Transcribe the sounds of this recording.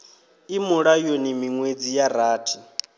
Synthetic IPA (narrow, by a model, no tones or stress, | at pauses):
imuɺajonimiŋwed͡zijaɾaːtʰi̥